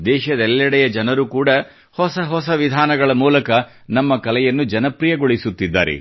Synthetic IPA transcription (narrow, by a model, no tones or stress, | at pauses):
d̪ɛːʃɐd̪ɛlːɐɽɛjɐd͡ʒɐnɐɾukuːɽɐ | hɔsɐɦɔsɐʋid̪ʱaːnɐɡɐɭɐmuːlɐkɐ | nɐmːɐkɐlɛjɐnːud͡ʒɐnɐpɾijɐɡoɭisut̪ːid̪ːa̰ːɾɛ̰